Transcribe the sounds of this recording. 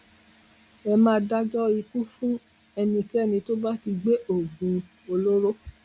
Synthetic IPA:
ɛ˧mãː˧da˦d͡ʒɔ˦i˧ku˦fũ˦ | ɛ˧nĩ˧kɛ˦˨nĩ˧to˦ba˦ti˧ɡ͡be˦o˦˨ɡũ˨˧ | o˧lo˦ɾo˦

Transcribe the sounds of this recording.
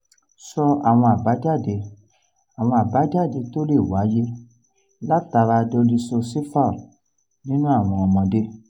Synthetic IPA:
sɔ˧a̰˨w̃ɔ̃˧a˨ba˨˦d͡ʒa˦˨de˧˦ | a˨w̃ɔ̃˧a˨ba˨˦d͡ʒa˦˨de˧to˦le˦˨wa˨˦je˦ | la˦ta˧ɾa˧do˧li˧sɔ˧se˦fa˦˨ | nĩ˦nũ˦a˦˨w̃ɔ̃˧ɔ˧mɔ̃˧de˦

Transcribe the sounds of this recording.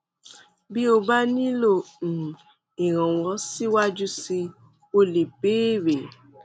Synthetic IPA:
bi˦o˧ba˦nĩ˦lo˦˨ | i˨ɾ̃ã˨wɔ˨˦si˦wa˦d͡ʒu˦si˧ | o˧le˨beː˦ɾe˨

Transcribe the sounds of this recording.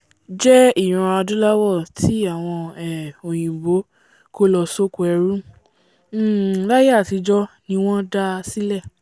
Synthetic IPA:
d͡ʒɛ˦i˦˨j̃ũ˧a˧dũ˦la˦wɔ˦˨tʰi˨˦a˦˨w̃ɔ̃˧ɛ˨o˨j̃ĩ˨bo˨˦ | ko˦lɔ˧so˦kɛ˧ɾũ˦˨ | la˦ja˦˨ti˧d͡ʒɔ˦nĩ˧w̃ɔ̃˦da˦si˦lɛ˦˨

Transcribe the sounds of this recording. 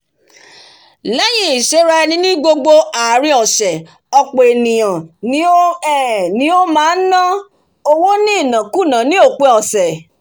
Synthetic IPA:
lɛ˦j̃ĩ˦i˨ʃe˨˦ɾa˧ɛ˧nĩ˧˦nĩ˦ɡ͡bo˧ɡ͡bo˧aː˨ɾĩ˧˦ɔ˨sɛ˨ | ɔ˧k͡pe˨e˨nĩ˨j̃ã˨nĩ˨˦o˦ɛ˦˨nĩ˨˦o˦mãː˦n̩˦nã˦ | o˧wo˦nĩ˦i˦˨nã˨ku˦˨nã˨˦nĩ˦o˦˨k͡pe˧˦ɔ˨sɛ˨

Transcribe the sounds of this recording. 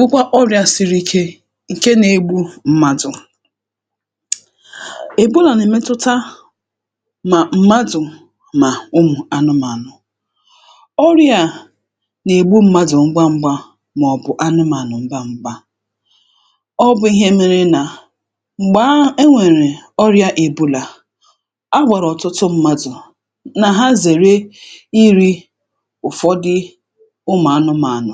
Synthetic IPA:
bʊ˦kʷa˦ʔɔ˦ɾja˨si˨ɾi˦ke˦ | ŋ̩˨ke˦ne˨ɡ͡bu˦m̩˦ma˦dʊ˨ | e˨bu˦la˨ne˨me˦tʊ˦ta˦ | ma˨m̩˦ma˦dʊ˨ | ma˨ʊ˦mʊ˨a˨nʊ˦ma˨nʊ˨ | ɔ˦ɾja˨ | ne˨ɡ͡bu˦m̩˦ma˦dʊ˨ŋ͡m̩˦ɡ͡ba˦ŋ͡m̩˦ɡ͡ba˦ | m˨ɔ˨bʊ˨ʔa˦nʊ˦ma˨nʊ˨ŋ͡m̩˦ɡ͡ba˦ŋ͡m̩˦ɡ͡ba˦ | ɔ˦bʊ˨˦i˦ɦe˦me˦ɾe˦na˨ | ŋ͡m̩˨ɡ͡ba˦e˦ŋʷe˨ɾe˨ɔ˦ɾja˦ʔe˨bu˦la˨ | a˦ɡ͡bʷa˨ɾɔ˨tʊ˦tʊ˦m̩˦ma˦dʊ˨ | na˨ɦa˦ze˨ɾe˦i˦ɾi˦ | ʊ˨fɔ˦dɪ˦ | ʊ˦mʊ˨a˦nʊ˦ma˨a˨nʊ˨

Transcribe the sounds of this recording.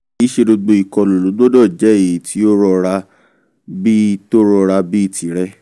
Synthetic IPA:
i˨˦ʃe˧do˧ɡ͡bo˧i˨kɔ˨lo˨lo˨˦ɡ͡bo˦dɔ˦˨d͡ʒɛ˨˦e˨i˨tʰi˧˦o˦ɾɔ˧ɾa˧ | bi˦to˦ɾɔ˧ɾa˧bi˦i˦˨ti˨˦ɾɛ˦

